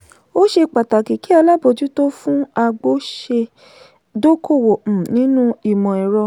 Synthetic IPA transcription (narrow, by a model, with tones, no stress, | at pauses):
o˦ʃe˧k͡pa˨ta˨ki˨ki˦a˧la˦bo˧d͡ʒu˦to˦fũ˦a˧ɡ͡bo˦ʃe˧ | do˦kʰo˦˨wõ˨nĩ˨˦nũ˦i˦˨mɔ̃˨ɛ˨ɾɔ˧